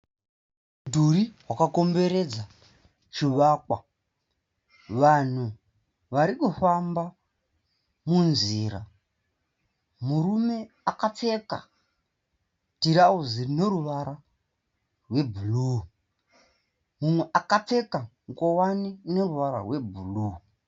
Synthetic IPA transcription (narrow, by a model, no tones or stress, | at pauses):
dʱuɾiɦwakako̞mbe̞ɾe̞d͡za | t͡ʃiʋaːkwa | ʋan̤u | ʋaɾikufamba | munziːɾa̰ | muɾume̞ | akap͡fe̞ka̰ | tiɾauzine̞ɾuʋaɾa | rwe̞bʱulu | mumwe̞ʔakap͡fe̞kaŋkowanine̞ruʋaɾa̰rwe̞bʱulu